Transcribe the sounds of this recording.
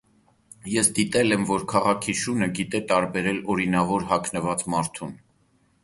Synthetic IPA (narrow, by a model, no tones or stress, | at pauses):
jɛsd̪it̪ɛlɛmvɔɾkʰɑʁɑkʰiʃunəɡit̪ɛt̪ɑɾbɛɾɛlɔɾinɑvɔɾɦɑkʰnəvɑt͡smɑɾt̪ʰun